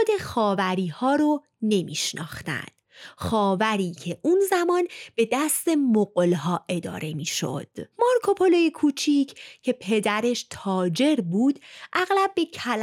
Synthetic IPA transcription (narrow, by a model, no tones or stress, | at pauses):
d̪e̞xɒːvæɾiːhɒːɾo | ne̞mḭːʃnɒ̰ːxt̪æ̰nd̪̥xɒːvæɾiːcʰe̞ʔunzæmɒːnb̥e̞d̪æst̪e̞moɡlɦɒːʔe̞d̪ɒ̰ːɾe̞miːʃo̰d̪̥moɾkʰo̞pʰo̞lojekʰuːt͡ʃʰicʰcʰe̞pʰe̞d̪æɾe̞ʃt̪ʰɒːd͡ʒe̞ɾbuːd̪̥ʔæɣlæb̚ːe̞cʰæl